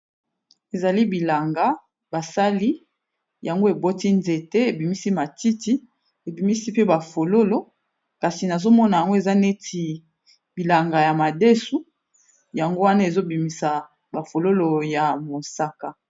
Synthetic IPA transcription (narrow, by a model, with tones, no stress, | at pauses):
e˨za˨li˦bi˨la˨ŋɡa˨ | ba˨sa˦li˦ | ja˨ŋɡo˦e˨bo˦ti˦nze˨te˦e˨bi˨mi˦si˦ma˨ti˦ti˦ | e˨bi˨mi˦si˦pe˦ba˨fo˨lo˦lo˦ | ka˨si˨na˨zo˦mɔ˦na˨ja˨ŋɡo˦e˨za˦ne˦ti˨ | bi˨la˨ŋɡa˨ja˨ma˨de˦su˦ | ja˨ŋɡo˦wa˦na˦e˨zo˦bi˨mi˨sa˨ | ba˨fo˨lo˦lo˨ja˨mo˨sa˦ka˨